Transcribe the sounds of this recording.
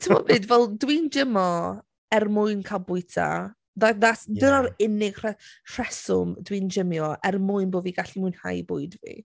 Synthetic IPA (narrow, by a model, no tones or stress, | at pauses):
tʰəmɔbɨːdvɛlˠdwind͡ʒɪmɔ | ɛrmʊɨnkʰalˠbʊɨtʰa̰ | ðaðatdənaɾɪnɪɡ̥r̥ɛr̥ɛsʊmdwind͡ʒɪmjɔʔɛrmʊɨnboːviɡaɬimʊɨnha̰jbʊɨdvḭ